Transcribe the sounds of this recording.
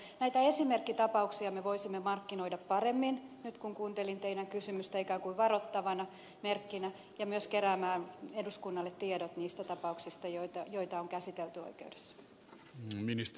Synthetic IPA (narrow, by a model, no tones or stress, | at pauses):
næijt̪æesimerkːit̪ɑpɑuksiɑmeʋoisimːemɑrkːinoidɑppɑremːinnyt̪kuŋkuːnt̪elint̪einæŋkysymyst̪æikæːŋkuiʋɑrot̪ːɑʋɑnɑ | merkːinæ | jɑmyøskeɾæːmæːneduskunːɑlːet̪tːiedot̪niːst̪æt̪ɑpɑuksist̪ɑjot̪ɑjoit̪ɑoŋkæsit̪elt̪yo̰ikḛude̥sːɑ̥ | minist̪